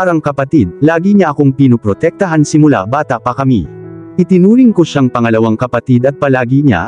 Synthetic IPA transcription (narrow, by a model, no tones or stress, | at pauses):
aɾɐŋkɐpɐt̪id̪̚laːɡiɲɐʔɐkoŋpinopɾot̪ɛk̚t̪ɐɦansɪmʊla̰baːt̪ɐʔpɐkɐmḭʔɪt̪ɪnuːɾɪŋkoʃaŋpɐŋɐlɐwaŋkɐpɐt̪id̪ɐt̪̚pɐlaːɡiɲa̰